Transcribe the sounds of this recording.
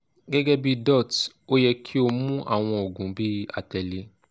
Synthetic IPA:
ɡɛ˦ɡɛ˦bi˦dɔ˦˨t | o˦jɛ˧kʰi˦o˧mũ˦ʔa̰˦˨w̃ɔ̃˧o˨ɡũ˨˦bi˦a̰˨tɛ˨le˧˦

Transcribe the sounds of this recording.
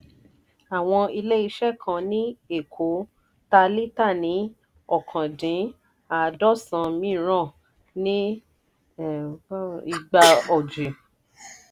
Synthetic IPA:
a˨w̃ɔ̃˧i˧le˦i˦˧ʃɛ˦˨kʰã˧nĩ˦e˦˨kʰo˨˦ | ta˧li˦ta˦˨nĩ˨˦ | ɔ˦˨kʰã˨dĩ˨˦ | a˨dɔ˦˨sã˧mĩ˦ɾ̃ã˦˨ | nĩ˦ | i˧ɡ͡ba˧ɔ˨d͡ʒe˨

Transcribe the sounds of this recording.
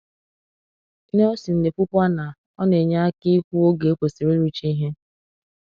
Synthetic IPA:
ne˦o˦si˨n̩˨ne˨pu˦pʷa˦na˨ | ɔ˦ne˨ɲa˦a˦ki˦kʷu˦o˦ɡe˨o˦k͡pʷo˨si˨ɾi˦ɾu˦t͡ʃi˦ɦe˦

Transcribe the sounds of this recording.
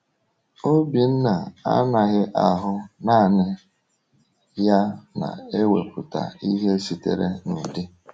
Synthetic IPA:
o˦bi˨n̩˦na˨a̰˦na˨ɣɪ˦ʔa˨ɦʊ˦naː˦˨nɪ˦ | ja˦na̰˨e˦wḛ˨pʊ˨ta̰˨i˦ɦe˦si˨tḛ˨ɾe˦nu˨dɪ˦

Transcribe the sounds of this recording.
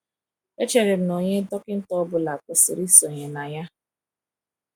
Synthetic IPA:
e˦t͡ʃe˨ɾe˨m̩˦no˨ɲe˦dɔ˦kɪ˦n̩˦tɔ˦bʊ˦la˨kʊ˨sɪ˨ɾi˦so˨ɲe˨na˨ja˦

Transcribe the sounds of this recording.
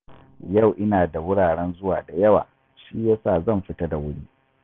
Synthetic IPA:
jɐ˦˨wʔɪ˦naː˨da˨wʊ˦ɽaː˨ɽɛ˦nzʊ˦waː˨da˨jɐ˦wa̰ː˨ | ʃiː˦jaː˦saː˦˨zɐ˦˨mɸɪ˦tɐ˦da˨wʊ˦ɽiː˦

